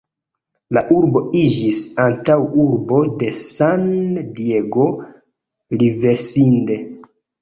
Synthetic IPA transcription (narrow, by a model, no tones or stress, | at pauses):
laʔuɾbo̞id͡ʒisantawuɾbo̞de̞sandie̞ɡo̞ | live̞ɾsinde̞